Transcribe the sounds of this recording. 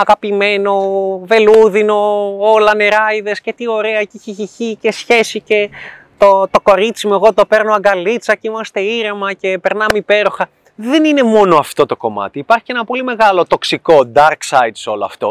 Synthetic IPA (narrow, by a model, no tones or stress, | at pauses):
ɐɣɐpime̞no̞ve̞luðino̞olɐne̞ɾɐiðe̞sce̞t̪io̞ɾe̞ɐciçeçiçice̞sçe̞sice | t̪ot̪o̞ko̞ɾit͡simoeɣo̞t̪o̞pe̞ɾnoɐɡɐlit͡sɐceimɐst̪e̞iɾemɐce̞pe̞ɾnɐmeipe̞ɾoxɐ | ðe̞nine̞mo̞noɐft̪ot̪o̞ko̞mɐ̰t̪iːpɐɾçienɐpo̞lime̞ɣɐlo̞t̪o̞ksiko̞d̪ɐɾksɐjd̪so̞loɐ̰ft̪o̞̰